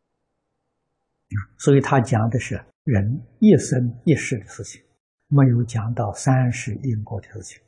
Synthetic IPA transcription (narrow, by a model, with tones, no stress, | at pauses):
swɔ˧˥i˧˩t̪ʰa˥t͡ɕjɑ˧˩˥ŋd̪ə˧ʂɻ̩˥˩ | ɻə˧˥njɛ˥˩sə˥nɛ˥˧ʂɻ̩˥˩d̪ə˨ʂɻ̩˥˩t͡ɕʰi̥˨˩˦ŋ | me˧˥ɪjo˧˥ʊt͡ɕjɑ˨˧˩ŋt̪ɑ˥˩ʊsa˥nʂɻ̩˧˥ʔi˥˧ŋkwɔ˥˩d̪ə˨˩ʂɻ̩˥˩t͡ɕʰi̥˨˩˦ŋ